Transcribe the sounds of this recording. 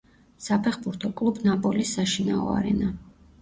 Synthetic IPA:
sapʰɛχbuɾt̪ʰɔkʼlˠubnapʼɔlisːaʃinaɔ̰a̰ɾɛ̰na

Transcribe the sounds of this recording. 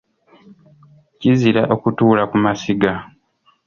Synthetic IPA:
ciziɾaʔo̞kutuːlakumasiɡa

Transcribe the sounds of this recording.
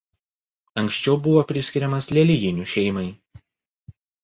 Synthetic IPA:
ɐŋʲksʲt͡ʃʲɛʊbʊʋoːpʲɾʲɪsʲkʲɪɾʲɛmɐslʲɛlʲɪjʲɪnʲuˑʃʲɛɪmɐɪ

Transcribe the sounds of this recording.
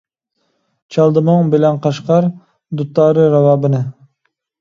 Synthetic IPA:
t͡ʃʰɑlˠd̪ɨmɨŋbɪlɛnqɑʃqɑɾ | d̪ut̪ːɑːɾɨɾɑwɑːbɨnɨ

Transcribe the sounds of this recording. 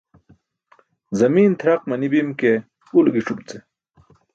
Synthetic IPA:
zɐmiːnt̪ʰɾɐq̚mɐnibimke | ulɡiʈ͡ʂubt͡se

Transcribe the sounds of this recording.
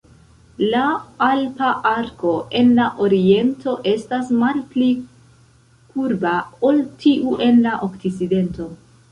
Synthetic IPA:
laalpaʔaɾko̞ʔe̞nlaʔo̞ɾie̞ntʰo̞ʔe̞stasmalpli | kuɾbao̞ltiʔuʔe̞nlaʔo̞kt͡sit͡side̞nto̞

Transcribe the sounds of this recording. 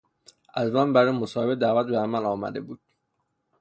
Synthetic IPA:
ʔæzmæmbæɾemosɒːhebed̪æːvæt̪̚beæmælɒːmæ̰d̪e̞buːd̪̥

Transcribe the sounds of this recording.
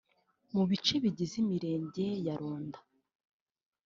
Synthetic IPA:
muβit͡ʃe̞βiɟizimiɾe̞ːɲɟe̞jaɾoːndḁ

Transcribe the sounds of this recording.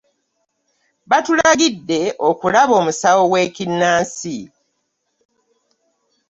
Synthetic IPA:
βatulaɡidːe̞ʔokulaβo̞ːmusawo̞ɡwe̞ːcinːaːnsi

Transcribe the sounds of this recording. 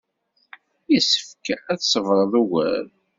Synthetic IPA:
jisə̥fkæθsəvɾˤəðˤuwæ̰ɾ

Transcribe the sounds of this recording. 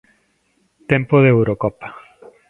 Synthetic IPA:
t̪e̞mpoðewɾokopḁ

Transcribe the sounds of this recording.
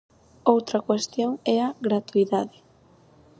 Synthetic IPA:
owt̪ɾakwest̪joŋɛaɣɾat̪uiðaðɪ

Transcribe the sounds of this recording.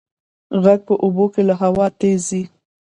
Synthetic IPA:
ɣaɡ̚pəʔobokelaɦawɑt̪ezi

